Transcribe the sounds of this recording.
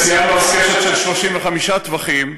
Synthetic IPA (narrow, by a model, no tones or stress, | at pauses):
sijanuafkeʃetʃelʃlo̞ʃimveχamiʃat̪vaχim